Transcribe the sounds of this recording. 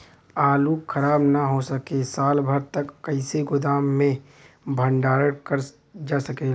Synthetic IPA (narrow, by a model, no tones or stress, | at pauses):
aːlukʰəɾaːbnaɦosəkesaːlbʱəɾt̪əkːəɪseɡʊd̪aːmːẽ | bʱə̃ɳɖaːɾəɽkəɾ | d͡ʒaːsəke